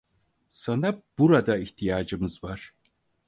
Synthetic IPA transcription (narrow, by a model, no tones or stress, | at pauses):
sanab̥uɾad̪aiçt̪ʰijaːd͡ʒɯmɯzvaɾ̥